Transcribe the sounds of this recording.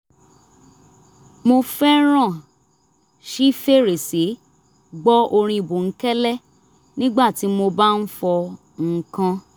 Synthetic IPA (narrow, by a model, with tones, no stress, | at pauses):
mo˧fɛ˦ɾ̃ã˦˨ | ʃi˦fe˦ɾe˨si˨˦ | ɡ͡bɔ˦ʔo˧ɾ̃ĩ˧i˨bo˨ŋ̩˦kɛ˦lɛ˦˨ | nĩ˦ɡ͡ba˦˨ti˨˦mo˧ba˦n̩˦fɔ˧ | ŋ̩˨kã˧